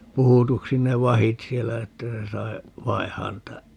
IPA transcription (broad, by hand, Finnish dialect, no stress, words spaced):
puhutuksi ne ʋɑhit sielːæ etːæ se sɑi ʋɑihɑːn niːtæ